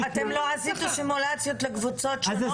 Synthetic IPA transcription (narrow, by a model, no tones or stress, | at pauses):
at̪emloazit̪uʃimulat͡sjo̞t̪lekvut͡so̞tʃ